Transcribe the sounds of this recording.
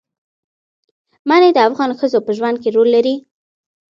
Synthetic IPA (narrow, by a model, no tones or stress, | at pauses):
maned̪əafɣɑnxəzopəʒwand̪̚keɾolːaɾi